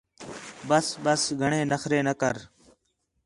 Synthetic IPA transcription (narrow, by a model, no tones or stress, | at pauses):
bəsbəsɡʱəɳẽːnəxɾeːnəkəɾ